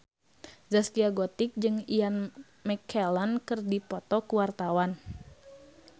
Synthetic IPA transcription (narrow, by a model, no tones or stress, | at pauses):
zaskiaɡɔt̪ik̚d͡ʒɨŋian | mɛkʰɛlankɨrdipɔt̪ɔkuwart̪awan